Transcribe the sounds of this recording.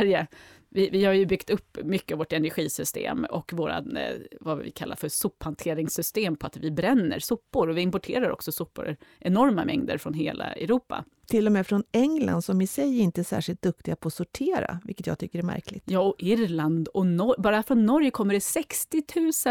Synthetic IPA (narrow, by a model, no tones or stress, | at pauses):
ɾjə | vɪvɪhaɾjɵbʏkt̪ɵpːmʏkːəavoːʈɛnæɾɧiːsʏst̪ḛːmɔkvoːɾa̰vavɪ̰kʰalːa̰ɾfœsʊpːhant̪ʰeːɾɪŋsʏst̪eːmpʰɔat̪vɪbɾɛnːə̰ɾsʊpːʊɾɔvɪɪmpɔʈʰḛːɾaɾʔɔ̰ksɔsʊpːʊ̰ɾɾʔɛnɔɾmamɛ̰ŋd̪ə̰ɾfɾɔnɦeːlʔa̰ɛ̰ɾuːpːa̰ | t̪ʰɪlːɔmeːfɾɔnɛŋla̰nd̪sɔmɪsɛjːɾɪnt̪əæsæ̰ːʂɪlt̪̚d̪ɵk̚t̪ɪɡapʰɔːsʊʈʰeːɾa̰vɪ̰kːət̪jɑːɡt̪ʰʏkːəɾɛɾmæ̰ɾklɪ̰ɡt̪jɑːɔʔɪɾland̪ɔnɔbɑːɾafɾɔnːɔɾjkʰɔmːəɖɛsɛkst̪ɪt̪ʰʉ̟ːsə